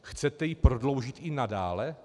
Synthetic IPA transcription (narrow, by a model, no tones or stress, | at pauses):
xt͡sɛt̪ɛjɪpɾo̞dlo̞wʒɪt̪ɪnadaːlɛ